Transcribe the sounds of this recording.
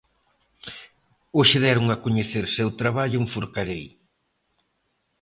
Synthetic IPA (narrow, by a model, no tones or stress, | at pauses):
oʃɪðɛɾʊŋɐkoɲeθeɾsewt̪ɾaβaʎʊeŋfoɾkaɾej